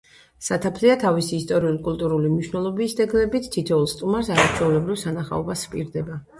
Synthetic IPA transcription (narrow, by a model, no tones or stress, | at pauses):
sat̪ʰapʰliat̪ʰavisiːst̪ʼɔɾiulikʼulˠt̪ʼuɾulimniʃwnɛlˠɔbisd̪ɛɡlɛbit̪ʰt̪ʰːit̪ʰɛulˠst̪ʼumaɾsaɾaɾt͡ʃʰɛulɛbɾivsanaχa̰ɔbaspʼḭɾd̪ɛba